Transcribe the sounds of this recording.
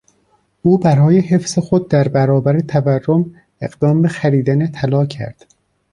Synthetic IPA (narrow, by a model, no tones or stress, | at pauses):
ʔuːbæɾɒːje̞ɦe̞fz̥exo̞d̪̚d̪æɾbæɾɒːbæɾet̪ʰæværːom | e̞ɡd̪ɒːmbe̞xæɾiːd̪ænet̪ʰælɒːcʰæ̰ɾd̪̥